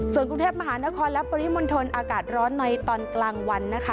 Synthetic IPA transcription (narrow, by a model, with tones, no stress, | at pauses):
su˨˩ənkɾu˧ŋt̪ʰeː˥˩p̚ma˧ɦaː˩˦na˦˥kʰɔː˧nlɛ˦˥pɔː˧ɾi˦˥mo˧nt̪ʰo˧nʔaː˧kaː˨˩t̪̚ɾɔː˦˥nːa˧jt̪ɔː˧nklaː˧ŋwa˧nːa˦˥kʰa˦˥